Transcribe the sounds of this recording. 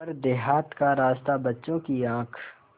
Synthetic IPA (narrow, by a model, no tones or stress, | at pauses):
əɾd̪eɦaːt̪kaɾaːst̪abɐtːʃõkiãːkʰ